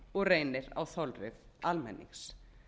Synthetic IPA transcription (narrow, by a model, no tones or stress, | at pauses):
ɔɣreːjnɪɾa̰wθɔlrɪðalmɛ̰nːḭŋs